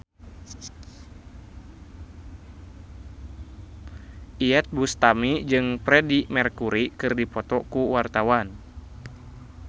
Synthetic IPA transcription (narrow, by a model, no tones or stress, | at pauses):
ʔiɛt̪̚bust̪amid͡ʒɨŋpɾɛdimɛrkuɾikɨrdipɔt̪ɔkuwart̪awan